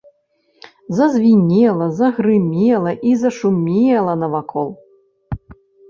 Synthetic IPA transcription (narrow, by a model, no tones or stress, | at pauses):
zɐzʲvʲinʲɛlˠɐzɐɣɾɨmʲɛlˠɐʔizɐʂumʲelˠɐnɐvakʰɔlˠ